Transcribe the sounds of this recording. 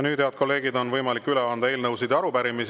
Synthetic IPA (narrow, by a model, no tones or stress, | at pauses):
nyːd̪eɑt̪̚ko̞lːe̞ːɡ̥id̪o̞nvɤjmɑlikːˑyleɑnd̪̥ɑe̞ːlnɤwsid̪ɑɾubæɾimis